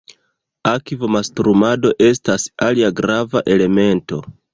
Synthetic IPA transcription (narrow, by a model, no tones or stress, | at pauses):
akivomastɾumado̞ʔe̞stasaliaɡɾavaʔe̞le̞me̞nto̞